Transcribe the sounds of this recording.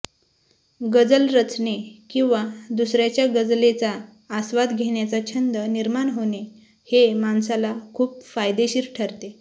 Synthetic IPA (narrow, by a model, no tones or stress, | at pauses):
ɡəd͡zəlɾət͡snekĩw̃ʋad̪usɾjat͡ɕjaɡəd͡zlet͡saː | sʋad̪ɡʱeɳjat͡sat͡ɕʰənd̪əniɾmaɳɦone | hemansalakʰuːpfajd̪eɕiɾʈʰəɾt̪e